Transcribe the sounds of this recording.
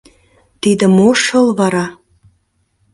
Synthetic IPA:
t̪id̪ə̆moʃə̆lβɑɾɑ

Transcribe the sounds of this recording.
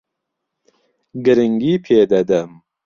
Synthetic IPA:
ɡɨɾɨŋɡiːpʰeːd̪ɐd̪ɐm

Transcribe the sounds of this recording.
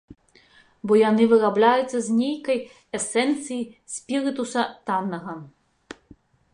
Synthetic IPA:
bɔjanɨvɨɾablʲajut̪sʲːɐzʲnʲejkɐj | ɛsɛnt̪sɨjisʲpʲiɾɨt̪usɐt̪anːɐɣɐ

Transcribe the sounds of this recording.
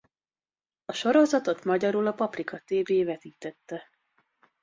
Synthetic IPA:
ɒʃo̞ɾo̞zɒt̪o̞t̪mɒɟɒɾulɒpɒprikɒt̪eːveːvɛt̪iːt̪ɛt̪ːɛ

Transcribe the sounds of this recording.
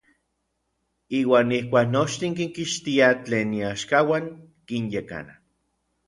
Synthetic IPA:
iːwaːnihkʷaːknot͡ʃt̪iŋkiŋkiʃt̪iat͡ɬeːnːiaʃkawaŋ | kinjeka̰na̰

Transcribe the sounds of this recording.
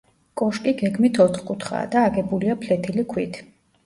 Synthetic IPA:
kʼɔʃkʼiɡɛɡmit̪ʰɔt̪χkʼut̪ʰχa̰ːd̪aːɡɛbuliapʰlɛt̪ʰilikʰwit̪ʰ

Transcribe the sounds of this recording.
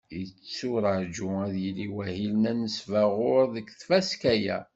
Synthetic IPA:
jət͡sːʊɾəʕd͡ʒʊæðjiliwæhilnænəsvæʁʊɾðəkθfæskæjæ̰

